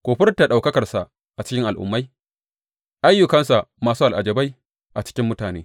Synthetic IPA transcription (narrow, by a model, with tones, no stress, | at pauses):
kʷoː˨ɸɪ˦ɾɐ˦tːa˨ɗa˨wkɐ˦kɐ˨rsa˨ʔ | ʔa˨t͡ʃɪ˦kʲɪ˦ŋʔa˨lʔʊ̰˨mːa˦j | ʔa˦jːʊ˨kɐ˦nsa˨ʔmaː˨suː˦ʔa˨lʔa˨d͡ʒɐ˨ba˦j | ʔa˨t͡ʃɪ̥˦kʲɪ˦mːʊ˦taː˨nḛː˦